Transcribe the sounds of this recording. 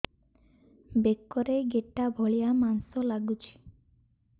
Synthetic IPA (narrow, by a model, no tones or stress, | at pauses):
bekːɔɾeɡeʈːabʱɔɭijamansɔlaɡut͡ʃʰi̥